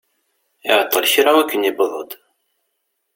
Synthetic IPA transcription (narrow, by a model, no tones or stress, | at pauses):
ɪʕət̪ˤːəlçɾawækːənibəðˤəd̪ˤ